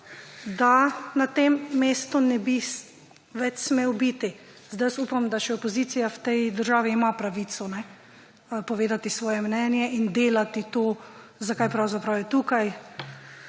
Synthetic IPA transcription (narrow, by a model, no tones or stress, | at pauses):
d̪anat̪emːeːst̪unɛbi | ʋɛt͡ʃsmeːwbit̪i | zd̪ajəsuːpamd̪aʃɛɔpɔziːt̪sijawt̪ɛjd̪əɾʒaːʋiːmapɾaʋiːt̪sɔnɛ | pɔʋeːd̪at̪isʋɔːjɛmnɛnjɛʔind̪eːlat̪it̪oː | zakajpɾawzapɾawjɛt̪uːkaj